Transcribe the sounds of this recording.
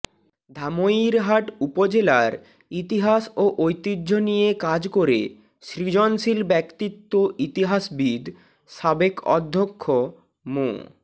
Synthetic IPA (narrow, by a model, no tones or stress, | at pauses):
d̪ʱamoiɾɦaʈupod͡ʑelaɾ | it̪iɦaʃoʔojt̪id̪ːd͡ʑʱonijekad͡ʑkoɾḛ | ʃɾid͡ʑonʃilbɛkt̪it̪ːoʔit̪iɦaʃbid̪ | ʃabekɔ̰d̪ʱːokʰːo | mo̰